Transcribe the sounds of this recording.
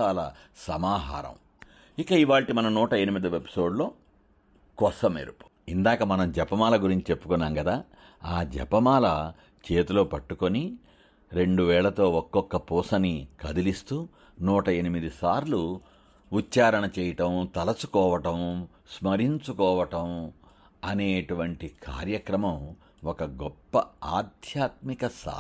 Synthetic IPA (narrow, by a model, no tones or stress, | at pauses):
aːlɐ | sɐmaːɦa̰ːɾɐ̰m | ikɐiʋaːɭʈimɐnɐnuːʈɐenimid̪ɐepi̥so̞ːɖlo̞ː | kɔsɐmḛɾupu̥ | ind̪aːkɐmɐnɐmd͡ʒɛpɐmaːlɐɡuɾiɲt͡ʃit͡ʃe̞pːu̥kɔnːaːŋɡɐd̪aː | aːd͡ʒɛ̰pɐmaːlɐ | t͡ʃeːt̪ulo̞ːpɐʈːuko̞ni | ɾe̞ɳɖuʋɛːɭɐt̪o̞ːɔkːɔkːɐpuːsɐnikɐd̪ilist̪uː | nuːʈɐe̞nimid̪isaːɾlu | utːt͡ʃːaːɾɐɳɐt͡ʃɛːjɐʈɐmt̪ɐlɐt͡ʃu̥kɔːʋɐʈɐm | smɐɾiɲt͡ʃukɔːʋɐʈɐm | ɐneːʈuʋɐɳʈikʰa̰ːɾjɐkɾɐmɐm | ɔkɐɡɔpːɐaːd̪ʱjaːt̪̚mikɐsa̰